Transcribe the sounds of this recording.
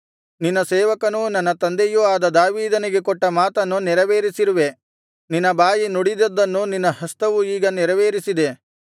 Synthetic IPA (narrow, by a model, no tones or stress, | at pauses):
ninːɐsɛːʋɐkɐnunɐnːɐt̪ɐnd̪ejuaːd̪ɐd̪aːʋiːd̪ɐniɡekɔʈːɐmaːt̪ɐnːunɛɾɐʋeːɾisiɾuʋe̞ | ninːɐbaːjinoɽid̪ɐd̪ːɐnːuninːɐɦɐst̪ɐʋuiːɡɐnɛɾɐʋeːɾisid̪e̞